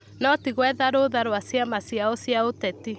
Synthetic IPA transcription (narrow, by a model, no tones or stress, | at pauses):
nɔtiɣwɛðaɾoːðaɾwasjamasjaɔsjaotɛti